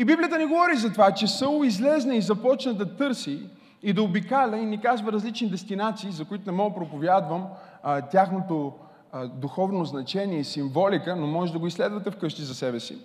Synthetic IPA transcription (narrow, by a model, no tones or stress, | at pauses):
ibiblʲijət̪ənɛɡovɔɾizɐt̪ovat͡ʃɛsəlˠʊizlɛznəizɐpɔt͡ʃnəd̪ɐt̪ɤɾsiː | d̪ɐobikalʲɐinikazvəɾɐzlit͡ʃnid̪ɛst̪inat̪siːzɐkʊit̪ʊnɛmɔɡpɾopovʲjad̪vəm | t̪ʲjaxnot̪o | d̪uxɔvnoznɐt͡ʃɛniɛisiɱvɔlikənomɔʒɛd̪ɐɡoislɛd̪vɐt̪ɛfkɤʃt̪izɐsɛbɛsḭ